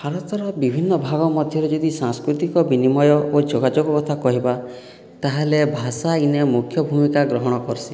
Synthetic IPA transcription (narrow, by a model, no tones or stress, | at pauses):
pʰaɾɔt̪ɔɾɔbibʱinːɔbʱaɡɔmɔd̪ʱjɔɾed͡ʒɔd̪isãŋskɾut̪ikɔbinimɔjɔʔod͡ʒoɡad͡ʒɔɡɔkɔt̪ʰakɔɦiba | t̪aɦelebʱasainemukʰjɔbʱumikaɡɾɔɦɔɽ̃ɔkɔɾsi